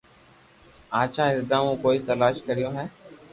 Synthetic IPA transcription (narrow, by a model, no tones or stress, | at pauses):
ãːt͡ʃʰaːɪɾd̪ãːmũːkoːiːt̪əlaːʃkəɾɪjõːɦɛː